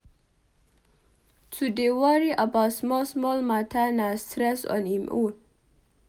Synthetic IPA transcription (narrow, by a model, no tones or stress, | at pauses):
tʰudewaɹiʔəbaʊtsmɔsmɔlmatʰanastɾɛsɔ̰̃nhimʔun